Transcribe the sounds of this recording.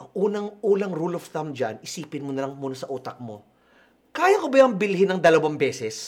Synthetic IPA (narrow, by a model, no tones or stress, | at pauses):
ʔɐŋʔuːnɐŋʔuːnɐŋɾulofθɐmd͡ʒa̰nʔɪsiːpɪnmonɐlɐŋmuːnɐsɐʔuːt̪ɐk̚mo̞ | kaːjɐkobɐjɐŋbɪlɦɪnɐŋd̪ɐlɐwaŋbɛːsɛs